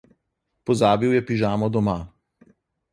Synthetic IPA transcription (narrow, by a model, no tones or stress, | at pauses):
pɔzaːbiwjɛpiʒaːmɔd̪ɔma